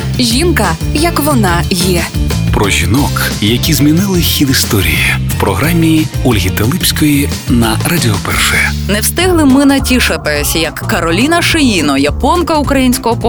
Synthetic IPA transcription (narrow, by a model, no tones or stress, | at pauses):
ʒʲinkɐjɐkʋɔnɑjɛpɾɔʒʲinɔk | jɐkʲizmʲinɪlˠɪxʲid̪ist̪ɔɾʲḭjiwpɾɔɦɾamʲːiɔlʲɦʲit̪elˠɪpʲsʲkɔjinɐrɐdʲɪɔpɛ̰rʃɛjɛnɛwst̪ɪɦlˠɪmɪnɐtʲiʃɐt̪ɪsʲjɐkːɐɾɔlʲinɐʃɪjinɔjɐpɔnkɐukɾɐjinʲsʲkɔɦɔp